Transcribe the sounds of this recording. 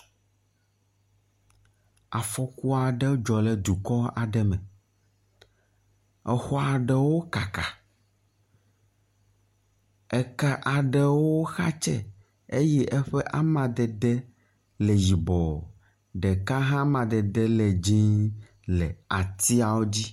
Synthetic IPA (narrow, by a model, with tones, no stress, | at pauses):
a˨fɔ˦ku˦a˨ɖɛ˦d͡ʒɔ˨lɛ˨d̪u˨kɔ˦a˨ɖɛ˦mɛ̃˨ | ɛ˨xɔ˦a˨ɖɛ˨wo˦ka˨ka˨ | ɛ˨ka˦ʔa˨ɖɛ˦wo˦xa˦t͡ʃɛ̰˦ | e˦jɛ˦ʔɛ˦ɸɛ˦ʔa˦mã˨d̪ɛ˨d̪ɛ˦ | lɛ˨ji˨bɔ˨ | ɖɛ˨ka˦ɦã˦mã˨d̪ɛ˨d̪ɛ˦lɛ˨d͡ʑĩ˦ | lɛ̰˨a˨t̪i˦a˨wo˦d͡ʑi˦